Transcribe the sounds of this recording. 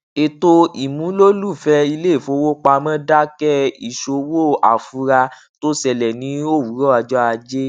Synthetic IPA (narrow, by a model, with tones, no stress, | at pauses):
e˨to˧i˨mũ˨˦lo˦lu˦˨fɛ˧i˧le˦˨fo˧˦wo˦k͡pa˧mã˦da˦kɛ˦i˦˨ʃo˧wo˦˨a˨fu˧˦ɾa˧ | to˦sɛ˧˨lɛ˨nĩ˨˦o˦˨wu˨˦ɾɔ˦a˧d͡ʒɔ˦a˧d͡ʒe˦